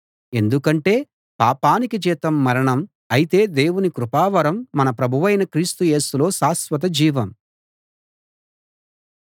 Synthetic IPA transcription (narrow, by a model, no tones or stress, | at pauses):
e̞nd̪ukɐɳʈe̞ː | paːpaːnikit͡ʃɛːt̪ɐmːɐɾɐɳɐm | ɐjit̪e̞ːd̪e̞ːwunikɾupaːʋɐɾɐmːɐnɐpɾɐbʱuʋɐjnɐkɾiːst̪uje̞ːsulo̞ːsaːsʋɐt̪̬ɐd͡ʒiːʋɐm